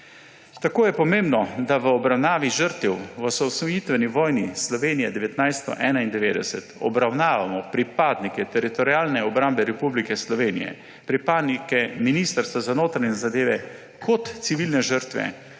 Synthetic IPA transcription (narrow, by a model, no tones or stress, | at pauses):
t̪akoːjɛpɔmẽmbnɔd̪aʋəɔbɾawnaːʋiʒəɾt̪ɛwʋəsɔwsnɔjit̪ʋɛniʋɔːjnislɔʋeːnijɛd̪ɛʋɛt̪najst̪ɔ̰ʔɛːnaind̪ɛʋeːd̪ɛsɛt̪ɔ̰bɾawnaːʋamɔpɾipaːd̪nikɛt̪ɛɾit̪ɔɾiaːlnɛɔbɾambɛɾɛpublikɛslɔʋeːnḭjɛ̰ | pɾipad̪nikɛminist̪əɾst̪ʋazanoːt̪ɾaɲɛzad̪eːʋɛ | kʰɔt̪siʋilnɛʒəɾt̪ʋɛ̰